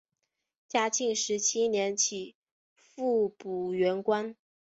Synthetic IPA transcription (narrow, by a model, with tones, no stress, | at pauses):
t͡ɕja˥t͡ɕi˥˩ŋʂɻ̩˧˥t͡ɕʰi˥njɛ˧˥nt͡ɕʰi˨˩˦ | fu˥˩pu˨˩ɥɛ˧˥nkwa˥n